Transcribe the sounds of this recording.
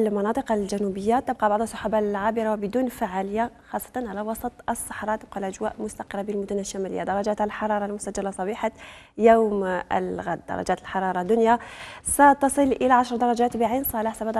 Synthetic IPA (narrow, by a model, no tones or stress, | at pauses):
lmɑnɑt̪ˤəqɑlʒænubəjːat̪ːəb̚qɑbɑʕd̪ˤəlsˤːɑħabalʕabəɾɑwbəd̪unfaʕaləjːaxɑsˤːɑ̥t̪ˤɑnʕalæwɑsˤɑt̪ˤəsˤːɑħɾˤɑt̪əb̚qɑlʔæʒwæ̰ʔmʊst̪ɑqəɾˤːɑbilmʊd̪unæʃːæmælə̰jːa̰d̪ɑɾˤːɑʒæt̪ləlħɑɾˤɑɾˤɑlmʊsæd͡ʒælːasˤɑbiħa | jawmə̰lɣæ̰d̪ːɑ̰ɾˤɑ̰ʒæt̪əlħɑɾˤɑɾˤɑd̪ːʊnjasæt̪ɑsˤəlʔəlaʕaʃɾˤd̪ɑɾˤɑd͡ʒæt̪biʕinsˤɑlɪħsæbd̪